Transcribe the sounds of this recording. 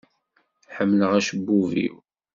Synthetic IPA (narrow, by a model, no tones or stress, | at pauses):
ħəmːləʁæʃəbːuvḭw